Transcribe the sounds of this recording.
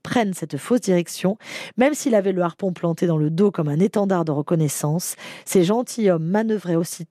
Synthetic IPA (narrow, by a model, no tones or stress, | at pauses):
pχɛnsɛt̪fosd̪iʁɛksjɔ̃mɛmsilavɛləaʁpɔ̃plɑ̃t̪ed̪ɑ̃ləd̪okɔmɛ̃net̪ɑ̃d̪aʁd̪əʁəkɔnɛsɑ̃sːeʒɑ̃t̪ʰijɔmːanəvʁɛosi